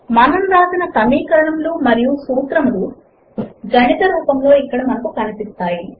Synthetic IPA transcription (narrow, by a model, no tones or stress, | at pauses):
mɐnɐmɾaːd͡ʒ̪inɐt̪ɐmiːkɐɾɐɳɐmloːmɐɾijusuːt̪ɾɐmloː | ɡɐnit̪ɐɾuːpɐmlo̞ːikːɐɽɐmɐnɐkukɐnipist̪aːji